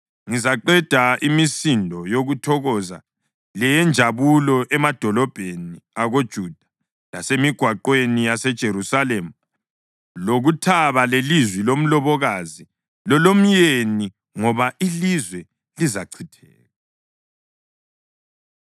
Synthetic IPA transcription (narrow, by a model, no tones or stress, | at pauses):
ŋizaǃɛd̥ʱaʔimisindʱɔjoɣutʰɔɣɔza̰ | lɛjɛnd͡ʒʱaβulɔʔɛmad̥ʱɔlɔb̥ʱeniaɣod̥ʒ̥ʱud̥ʱḁ | la̰semiɡ̥ʱwaǃwenijasɛd̥ʒ̥ʱeɾusalem̩ | loɣutʰaβalelizwilom̩lɔβɔɣazi | lɔlom̩jeni | ŋɔβaʔilizwɛ | lizaǀʰitʰɛːɣa